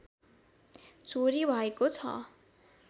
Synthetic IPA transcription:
t͡soɾibʱʌekot͡sʰʌ̰

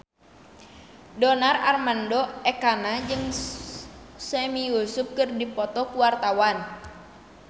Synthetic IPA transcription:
dɔnararmandɔɛkanad͡ʒɨŋ | sɛmijusup̚kɨrdipɔt̪ɔkuwart̪awan

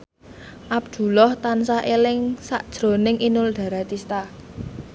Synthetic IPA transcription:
ʔab̚d̪̥ṳlɔht̪ansaʔelɪŋsa̰ʔd̥ʒ̥ɾo̤nɪŋʔinʊlɖ̪̥ä̤ɾat̪ist̪a

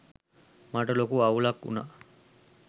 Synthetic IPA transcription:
maʈɐlokuawlakṵna̰

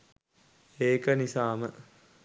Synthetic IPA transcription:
eːkənisaːmə

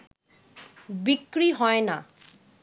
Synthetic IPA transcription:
bikɹiɦɔjna

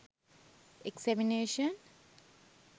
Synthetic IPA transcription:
eksɛmineːʃən

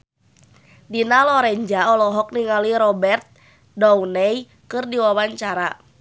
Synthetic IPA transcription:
dinalɔɾɛɲd͡ʒaɔlɔɦɔk̚niŋaliɾɔbɛrt̪̚ | dɔwnɛj | kɨrdiwawaɲt͡ʃaɾa

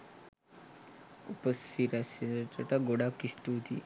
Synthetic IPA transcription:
ṵpəsiɾasiet̪aʈaɡoɽakist̪ut̪ḭ

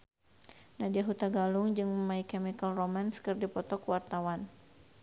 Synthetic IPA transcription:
nadiaɦut̪aɡalʊŋd͡ʒɨŋməmaikɛmikalromanskərdipɔt̪ɔkuwart̪awan

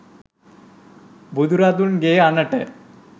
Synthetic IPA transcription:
bud̪uɾad̪unɡeːanəʈə

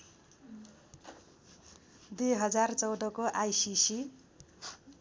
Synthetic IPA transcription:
d̪eɦʌd͡zart͡sʌwd̪ʌkoʔajsisi

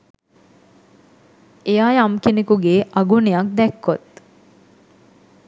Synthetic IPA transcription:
ejaːjamkenekuɡeːʔɐɡunejɐk̚d̪ɛkːot̪

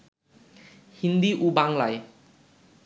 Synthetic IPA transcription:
hind̪iʔubaŋlaj

